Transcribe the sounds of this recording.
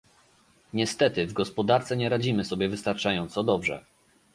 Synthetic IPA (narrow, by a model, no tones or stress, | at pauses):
ɲɛst̪ɛt̪ɘvɡɔspɔd̪aɾt̪sɛɲɛɾad͡ʑimɘsɔbʲjɛvɘst̪aɾt͡ʂajɔnt̪sɔd̪ɔbʐɛ̰